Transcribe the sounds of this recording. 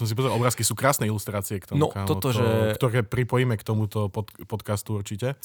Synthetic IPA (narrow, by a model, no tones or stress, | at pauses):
sɔms̬ipɔzɛɾlˠɔbɾaːskisuːkɾaːsnɛilust̪ɾaːt͡siɛkt̪ɔnɔ̰kaɔt̪ɔʒɛkt̪ɔɾɛːpɾipɔjimɛkt̪ɔmut̪ɔpɔt̪pɔt̪kast̪uuɾt͡ʃicɛ